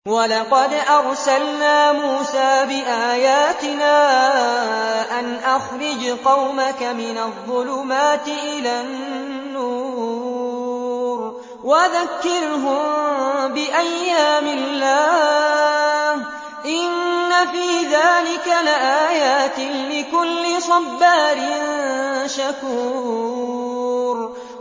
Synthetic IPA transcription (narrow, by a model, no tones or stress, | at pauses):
walɑqɑd̪ʔɑɾˤsalnaːmuːsaːbɪʔaːjaːt̪ɪnaː | ʔanʔaxɾɪd͡ʒqɑwmakamɪnaðˤːʊlʊmaːt̪ɪʔɪlaːnː | uː | ɾ | waðakːɪɾɦʊmbɪʔajːaːmɪlːaː | h | ʔɪnːafiːðaːlɪkalɪʔaːjaːt̪ɪlɪkʊlːɪsˤɑbːaːɾɪ | ʃakuː | ɾ